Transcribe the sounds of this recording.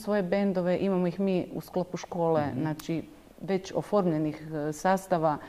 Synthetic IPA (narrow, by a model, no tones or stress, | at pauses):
sʋo̞je̞bend̪o̞ʋe̞ʔimamo̞ixmiːṵsklopuʃko̞ːleznaːt͡ʃi | ʋe̞t͡ɕo̞foɾmʎe̞nixsaːst̪aʋa